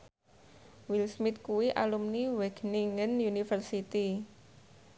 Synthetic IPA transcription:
wilsmɪt̪̚kuwiʔalumniwɛɡ̥niŋənjunifərsit̪i

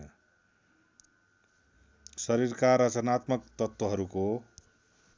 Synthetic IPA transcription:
sʌɾiɾkaɾʌt͡sʌnat̪mʌkt̪ʌt̪wʌɦʌɾuko

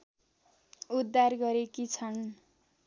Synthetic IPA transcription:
ud̪ːarɡʌɾekit͡sʰʌn

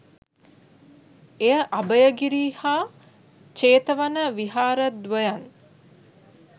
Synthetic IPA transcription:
ejəʔabəjəɡiɾiːhaː | t͡ʃeːt̪əʋanəʋiɦaːɾəd̪ʋəjan

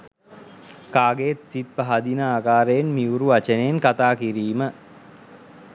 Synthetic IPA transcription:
kaːɡejet̪sit̪̚paɦad̪inaaːkaːɾejenmiuɾuʋat͡ʃənejenkat̪aːkiɾiːmə

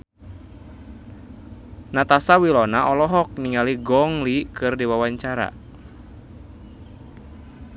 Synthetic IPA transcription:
nat̪asawilɔnaʔɔlɔɦɔk̚niŋaliɡɔŋlikɨrdiwawaɲt͡ʃaɾa̰

